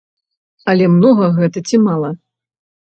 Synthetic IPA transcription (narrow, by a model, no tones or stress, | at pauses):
ɐlʲɛmnɔɣɐɣɛt̪ɐt͡sʲimalˠɐ